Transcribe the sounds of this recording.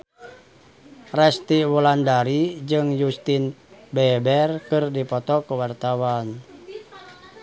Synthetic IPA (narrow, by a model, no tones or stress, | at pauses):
rɛst̪iwulandaɾid͡ʒɨŋjust̪inbɛbɛrkɨrdipɔt̪ɔkuwart̪awan